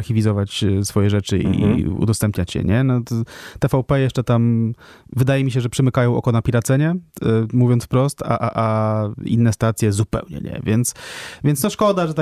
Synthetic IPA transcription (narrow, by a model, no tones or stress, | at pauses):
ɾxʲivʲizɔvat͡ɕsfɔjɛʐɛt͡ʂɘḭḭṵd̪ɔst̪ɛmpɲat͡ɕjɛ̰ɲɛnɔt̪ɛfawpɛjɛʂt͡ʂɛt̪am | vɘd̪ajɛmʲiɕɛʐɛpʂɛmɘkajɔ̃w̃ʔɔ̰kɔnapʲiɾat̪sɛɲɛmuvʲjɔnsfpɾɔst̪a̰ʔaʔaḭnːɛst̪at̪sʲjɛzupɛ̰wɲɛ̰ɲɛ̰vʲjɛnt̪svʲjɛnsnɔʂkɔd̪aʐɛt̪a